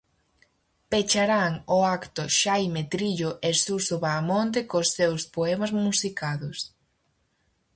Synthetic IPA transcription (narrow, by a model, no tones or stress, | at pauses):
pet͡ʃaɾaŋʊakt̪ʊʃajmet̪ɾiʎʊʔesusoβamont̪̬ɪkosːewspoɛmɐzmusikaðʊs